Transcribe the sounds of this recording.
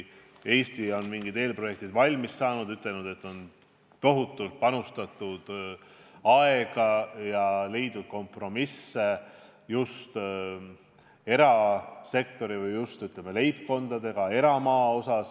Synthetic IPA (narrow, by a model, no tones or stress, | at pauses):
e̞ːst̪io̞nmiŋɡid̪e̞ːlpro̞je̞k̚t̪id̪vɑlʲmissɑːnud̪̥yt̪le̞lnud̪e̞t̪ːˑo̞n | t̪o̞ɦut̪ːˑult̪̚pɑnust̪ɑt̪ˑːud̪̥ | ɑe̞ɡ̥ɑjɑle̞jd̪ud̪̥̚ko̞mpro̞misːe̞ | just̪ | e̞ɾɑse̞k̚t̪o̞ɾivɯjːust̪yt̪lemele̞jpko̞nd̪̥ɑd̪e̞ɡ̥ɑe̞ɾɑmɑːo̞sɑs